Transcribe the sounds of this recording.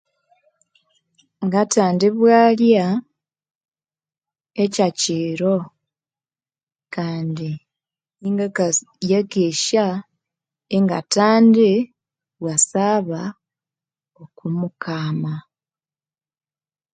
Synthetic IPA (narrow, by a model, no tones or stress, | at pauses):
ŋɡataːndiβwalja | ecaciːɾo | kaːndi | niŋɡakajeɡeʃa | eŋɡa̰taːnde | βwasaβa | okumukaːma